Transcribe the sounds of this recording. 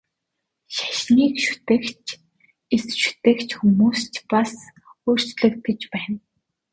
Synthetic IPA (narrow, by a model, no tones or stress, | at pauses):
ʃḁʃniːkʃu̥t̪ek | esʃu̥t̪eːkt͡ɕxumuːst͡ɕpas | oːr̥t͡ɕɮɘ̆k̚t̪̚ɡĕt͡ɕpæːn